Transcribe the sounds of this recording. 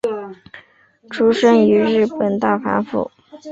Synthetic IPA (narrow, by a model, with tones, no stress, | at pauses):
ʈ͡ʂʰu˥ʂə˥ŋy˧˥ɻɻ̩˥˩pə˨˩nt̪a˥˩fa̰˧˥nfṵ˥˩